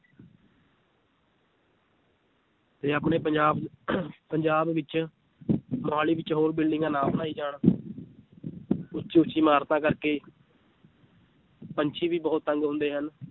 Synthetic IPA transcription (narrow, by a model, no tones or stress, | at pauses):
t̪eːəpɳeːpəd͡ʒaːbpəɲd͡ʒaːbʋɪt͡ʃ | mʊɦaːliːʋɪt͡ʃɦoːɾbɪlɖɪ̃ŋɡaːnãːbnaːiːd͡ʒaːɳ | ʊt͡ʃːʃiːʊt͡ʃːiːmaːɾt̪ãːkəɾkeː | pəɲt͡ʃʰiːʋiːbəːʊt̪ːəŋɡɦʊ̃nd̪eːɦən